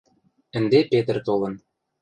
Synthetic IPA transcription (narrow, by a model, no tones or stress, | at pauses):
ɘ̆nd̪epet̪̆rt̪olɤ̆n